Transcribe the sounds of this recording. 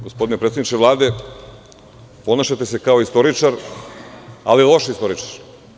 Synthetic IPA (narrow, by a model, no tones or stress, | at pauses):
ɡospo̞d̪inepɾet̪ed̪it͡ʃeʋlˠaːd̪e̞ | po̞naʃat̪e̞se̞kao̞ist̪o̞ɾit͡ʃaɾ | alilˠo̞ʃist̪o̞ɾit͡ʃḁɾ